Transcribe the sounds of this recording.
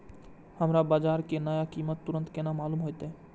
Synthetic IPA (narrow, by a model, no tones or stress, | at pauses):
hɐmɾabad͡ʒaɾkenɔjakimət̪ːuɾənt̪kenamalumɦojt̪e